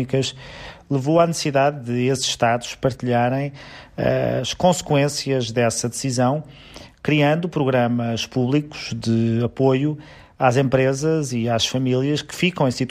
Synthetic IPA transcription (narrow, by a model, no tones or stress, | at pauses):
ikɐʃlˠɨvowanɨssiðaðːɨesz̥ʃːt̪aðu̥ʃpɐɾt̪iʎaɾɐ̃j̃ɐ̰ʃkõskwẽsiɐʒðɛsɐðɨsizɐ̃w̃ | kɾiɐ̃nd̪upɾuɣɾɐmɐʃpuβlˠiku̥ʒ̥ðɨɐpoju | azẽmpɾezɐziaʃfɐmilˠiɐʃkɨ̥fikɐ̃w̃ẽj̃sit̪